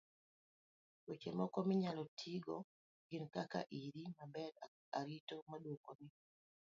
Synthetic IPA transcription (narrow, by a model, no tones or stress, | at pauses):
wot͡ʃemɔkɔmɪɲalɔtʰiɡɔ | ɡɪnkaka̰ʔiɾimabɛɾ | aɾitɔmaɗwokoni